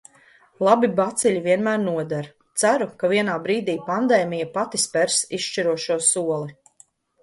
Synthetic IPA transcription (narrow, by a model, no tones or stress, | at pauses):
lˠabibat̪siʎʲiviɛnmæːɾnuɔd̪aɾ | t̪sæɾukaviɛnaːbɾiːd̪iːpand̪ɛːmijapat̪ispɛɾsiʃʃt͡ʃiɾuɔʃuɔsuɔlˠi